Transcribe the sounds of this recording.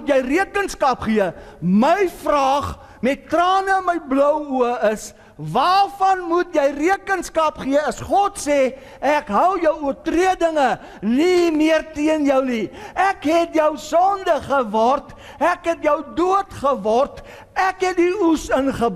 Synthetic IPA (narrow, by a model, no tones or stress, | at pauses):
tjəjriəkənskɐpχiəməjfrɑːχ | mɛt̚trɑːnəməjblœwuəəs | vɑːrfɐnmutjɛjriəkənskɐpχiəɐsχɔtsɛ | ækɦəwjəwuərtriədəŋə | nimiərtiənjœwniækɦɛtjəwsɔndəχəvɔrt | ækɦɛtjəwduətχəvɔrt | ækɦɛt̚diusənχəb